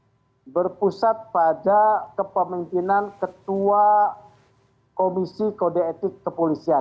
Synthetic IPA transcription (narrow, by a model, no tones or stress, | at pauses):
bərpusat̪̚padakəpəmimpinankət̪ua | komisikodaet̪ɪkːəpolisia